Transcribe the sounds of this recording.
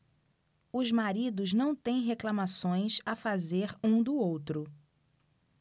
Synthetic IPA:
ʊzmaɾid̪ʊznɐ̃w̃t̪ẽj̃ɦeklamasõj̃safazeɾũd̪ʊowt̪ɾʊ

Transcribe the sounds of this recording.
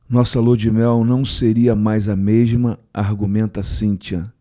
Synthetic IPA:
nɔsɐlod͡ʒimɛwnɐ̃w̃seɾiɐmajzɐmeʒmɐaɾɡumẽnt̪ɐsĩt͡ʃiɐ

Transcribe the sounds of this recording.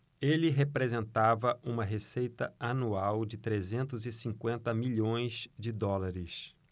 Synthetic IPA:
elɪɦepɾezẽnt̪avɐʔũmɐɦesejt̪ɐanuawd͡ʒɪt̪ɾezẽnt̪ʊzɪsĩŋkwẽnt̪ɐmiʎõj̃zd͡ʒɪd̪ɔlaɾɪs

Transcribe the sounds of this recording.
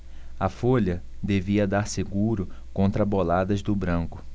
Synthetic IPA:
ɐfoʎɐd̪eviɐd̪aɾseɡuɾʊkõnt̪ɾɐbolad̪ɐzd̪ʊbɾɐ̃ŋkʊ̥

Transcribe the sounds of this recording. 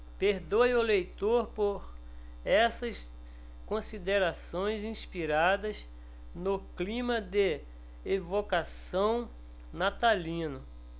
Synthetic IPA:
peɾd̪ojʊlejt̪oɾpoɾ | ɛsɐs | kõsid̪eɾasõj̃zĩspiɾad̪ɐz | nʊklĩmɐd̪e | evokasɐ̃w̃ | nat̪alĩnʊ

